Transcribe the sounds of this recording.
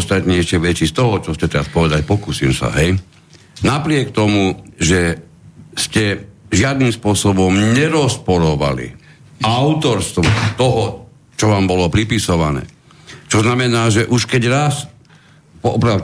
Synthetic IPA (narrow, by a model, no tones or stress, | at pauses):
st̪at̪ɲɛʃɛʋɛt͡ʃist̪ɔɦɔt͡ʃɔscɛt̪ɛɾaspɔʋɛd̪acpɔkuːsiːmsa̰ɦɛj | napɾɪɛkt̪ɔmuʒɛ | scɛʒɪad̪nimspʊɔsɔbɔmɲɛɾɔspɔɾɔʋa̰lḭ | aʊt̪ɔɾst̪ʋɔt̪ɔɦɔ | t͡ʃɔʋaːmbɔlɔpɾipisɔʋanɛ̰ː | t͡ʃɔznamɛnaːʒɛʔuʃkɛɟɾas | pɔɔpɾa